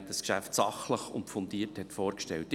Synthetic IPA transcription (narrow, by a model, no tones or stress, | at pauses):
dɑskʃæ̰ftsɑχləχʊ̰ntfɔnd̥iːəɾthɛtfɔːɾkʃtɛ̰lt